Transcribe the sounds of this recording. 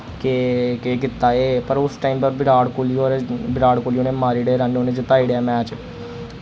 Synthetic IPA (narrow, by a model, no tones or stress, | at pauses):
kekeːk̬ɪt̪ːaːeːpəɾʊsʈaːiːmpəɾbɪɾaːɽkoːlioːebɪɾaːɽkoːlijoːneːmaːɾiːɽeːɾənoːnẽːd͡ʒɪt̪aːiːɽaːmɛːt͡ʃ